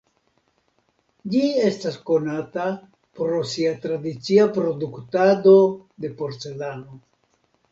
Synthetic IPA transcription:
d͡ʒie̞stasko̞nata | pɾo̞siat̪ɾadit͡siapɾo̞duktado̞d̪e̞po̞ɾt͡se̞lano̞

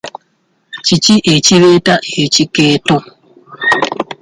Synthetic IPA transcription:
t͡ʃit͡ʃiʔet͡ʃiɾetaet͡ʃiketɔ

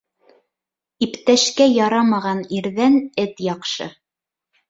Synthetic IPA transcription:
ipt̪æʃkæjɑɾɑmɑʁɑniɾðænɘt̪jɑqʃɤ̰

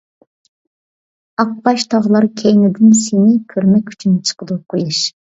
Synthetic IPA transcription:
ɑq̚bɑʃt̪ʰɑʁlˠɑɾkʲʰejnɪd̪ɪnsenɪkʲʰøɾmɛkʲy̥t͡ʃʰynt͡ʃʰə̥qəd̪ɨqʰojɑʃ

